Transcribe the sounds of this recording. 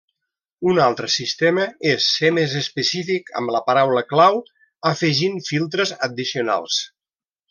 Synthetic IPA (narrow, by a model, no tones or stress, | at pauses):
unalˠt̪ɾəsist̪eməesːemezəspəsifikə̰mləpaɾawləklaw | əfəʒinfilˠt̪̬ɾəzəd̪isiuna̰lˠs